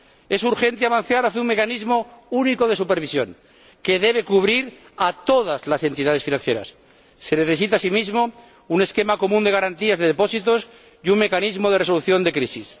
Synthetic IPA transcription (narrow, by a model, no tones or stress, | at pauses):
esuɾxe̞nt̪eaβan̟θjaɾaθeuŋme̞kanizmo̞uniko̞ðe̞supe̞ɾβ̞isjo̞ŋ | ke̞ðe̞β̞e̞kuβ̞ɾiɾ | at̪o̞ð̞azlase̞nt̪iðað̞e̞sfinãn̟θje̞ɾa̰sː | e̞neθe̞s̬it̪asimizmo | une̞ske̞mako̞mũnd̪e̞ɣ̞aɾant̪iazðeðepo̞sit̪os | juŋme̞kanizmoð̞e̞reso̞luθjo̞nd̪e̞kɾisis